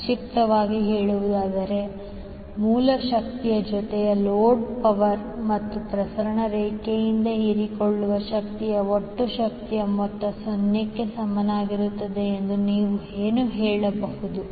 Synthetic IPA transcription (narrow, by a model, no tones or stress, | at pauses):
ʃik̚t̪ɐʋaːɡiɦeːɭuʋud̪aːd̪ɐɾe̞ | muːlɐʃɐk̚t̪ijɐd͡ʒɔt̪ɛjɐloːɖpɐʋɐɾ | mɐt̪ːupɾɐsɐɾɐɳɐɾeːkejind̪ɐiɾikoɭːuʋɐʃɐkt̪ijɐoʈːuʃɐk̚t̪ijɐmɔt̪ːɐsonjɐkːe̞sɐmːɐnaːɡiɾut̪ːɐd̪e̞end̪uniːʋueːnuɦeːɭɐbɐɦud̪u